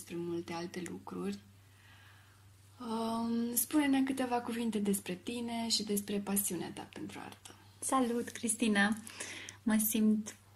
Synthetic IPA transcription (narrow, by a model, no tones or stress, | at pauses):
spɾe̞mult̪e̞alt̪e̞lukɾurʲ | əspune̞meak̬ɨt̪e̞vakuvint̪e̞d̪e̞spɾe̞t̪ine̞ʃid̪e̞spɾe̞pasiunea̰t̪a̰pe̞nt̪ɾua̰rt̪ə̥ | salut̪kɾist̪ina | məsimt̪